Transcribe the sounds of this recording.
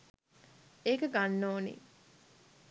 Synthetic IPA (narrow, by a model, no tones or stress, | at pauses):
eːkəɡanːoːnḭ